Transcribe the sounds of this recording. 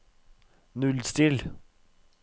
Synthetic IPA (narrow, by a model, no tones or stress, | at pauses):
nʉlst̪ɪl